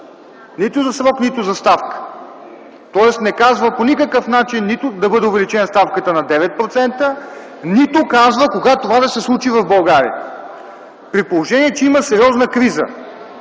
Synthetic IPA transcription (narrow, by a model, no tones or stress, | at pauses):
nit̪ʊzɐsɾɔknit̪ʊzɐst̪afkə̥ | t̪ɔɛsnɛkazvəponikəkəfnat͡ʃinːit̪ʊd̪ɐbɤd̪ɛʊvɛlit͡ʃɛnəst̪afkət̪ənɐd̪ɛvɛt̪̚pɾot̪sɛnt̪ə | nit̪okazvəkoɡat̪ovad̪ɐsɛslˠut͡ʃivɐvbɐlˠɡaɾḭə | pɾit̪̚polˠoʒɛniɛt͡ʃɛiməsɛɾʲiɔznəkɾizə̰